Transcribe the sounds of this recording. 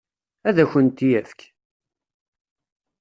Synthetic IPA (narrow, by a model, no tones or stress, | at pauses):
æðæçənt̪ijæθk